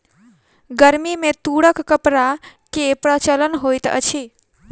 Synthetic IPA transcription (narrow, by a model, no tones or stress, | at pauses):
ɡəɾmimẽt̪uːɽəkːəpɾakepɾət͡ʃələnɦojt̪ə̰t͡ʃʰi